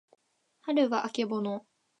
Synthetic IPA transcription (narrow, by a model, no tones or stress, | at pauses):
haɾɯ̟ɡaʔake̞bo̞no